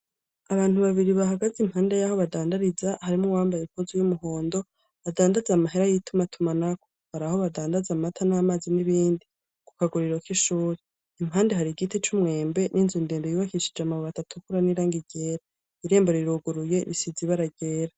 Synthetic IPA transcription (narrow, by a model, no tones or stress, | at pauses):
aβaːn̥uβaβiɾiβaɦaɡazimhaːnde̞jaho̞βadaːndaɾizahaɾimuwaːmbajem̥huzujumuɦo̞ːndo̞ | βadaːndazamaɦeɾajitumatʰumanako̥haɾaho̞βadaːndazamatʰanaːmaːziniβiːndi | ku̥kaɡuɾiɾo̞kiʃuːɾe | imhaːndeɦaɾiɡitit͡ʃumŋe̞ːmbe̞nʔiːnzundeːndojuβakiʃid͡ʒamaβoβatatukuɾaniɾaːŋɡiɟeːɾa | iɾe̞ːmboɾiɾuɡuɾuje̞ɾisiziβaɾaɟeːɾa